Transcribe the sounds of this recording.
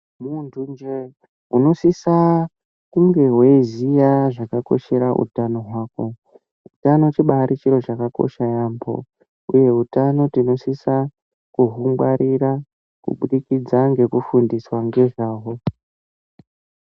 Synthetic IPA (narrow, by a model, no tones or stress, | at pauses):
muntʰund͡ʒe | uno̞sisa | kuŋɡe̞ɦwe̞izijaʐakako̞̰ʃe̞ɾaʔṵtano̞ɦwaːko̞ | utano̞t͡ʃiɓaɾit͡ʃiɾo̞t͡ʃakako̞̰ʃajambo̞̰ | uje̞utano̞tino̞sisa | kuɦuŋɡwaɾiɾa | kṵɓuɗikid͡zaŋɡe̞kufundiswaŋɡe̞ʐaːwo̞